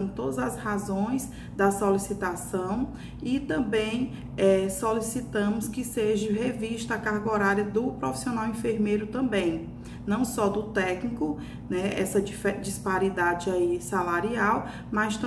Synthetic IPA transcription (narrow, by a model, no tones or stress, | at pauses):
t̪od̪ɐzɐshazõj̃z | d̪ɐsolisit̪asɐ̃w̃ | ɪt̪ɐ̃mbẽj̃ | ɛsolisit̪ɐ̃mʊskɪseʒɐɦeviʃt̪ɐakaɾɡoɾaɾjɐd̪ʊpɾofi̥sionawĩfeɾmejɾʊt̪ɐ̃mbẽj̃ | nɐ̃w̃sɔd̪ʊt̪ɛknikʊ | nɛɛ̰sɐfd͡ʒispaɾid̪ad͡ʒɪaisalaɾiaw | mɐst̪